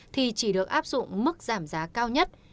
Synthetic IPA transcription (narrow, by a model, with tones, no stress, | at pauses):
t̪ʰi˨˩t͡ɕi˧˩ɗɨ˨˩ək̚ʔaː˦˥p̚zʊ̰˧˨ŋ͡mmɨ˦˥k̚zaː˧˩mzaː˨˦kaː˧wɲə˦˥t̚